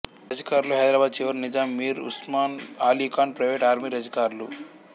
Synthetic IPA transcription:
ɾɐd͡ʒɐkaːɾluɦɐjd̪ɾaːbaːd̪̚t͡ʃiʋɐɾnid͡ʒaːmːiːɾṵsmaːnaːliːkaːnpɾɐjʋeːʈaːɾmiːɾɐd͡ʒɐkaːɾlu

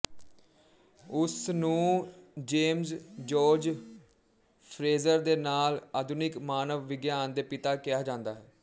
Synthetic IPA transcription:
ʊsnũːd͡ʒeːmzd͡ʒoːɾd͡ʒ | pʰɾeːzəɾd̪eːnaːlaːd̪ʊnɪkmaːnəʋːɪɡjaːnd̪eːpɪt̪aːkɪjaːd͡ʒãːnd̪aːɦɛː

